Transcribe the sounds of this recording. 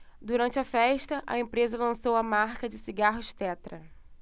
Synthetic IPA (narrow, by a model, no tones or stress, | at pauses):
d̪uɾɐ̃nt͡ʃɪɐfɛʃt̪ɐʔɐ̰ẽpɾezɐlɐ̃sowɐmaɾkɐd͡ʒɪsiɡaɦʊʃt̪ɛt̪ɾɐ